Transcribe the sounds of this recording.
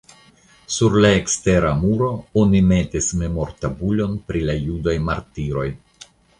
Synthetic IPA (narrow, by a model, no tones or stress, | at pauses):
suɾlae̞kste̞ɾamuɾo̞onime̞tisme̞mo̞ɾtabuʎo̞npɾilajudajmaɾtiɾo̞j